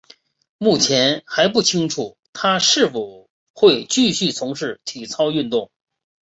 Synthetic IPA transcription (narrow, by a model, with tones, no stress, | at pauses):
mu˥˩t͡ɕʰjɛ˧˥nxa˧˥ɪp̬u˥˩t͡ɕʰi˥ŋʈ͡ʂʰu˨˩˦t̪ʰa˥ʂɻ̩˥˩fu˨˩ | xwe˥˧ɪt͡ɕy˥˧ɕy˥˩t͡sʰʊ˧˥ŋʂɻ̩˥˩t̪ʰi˨˩t͡sʰɑ˥ʊy˥˧nt̪ʊ˥˩ŋ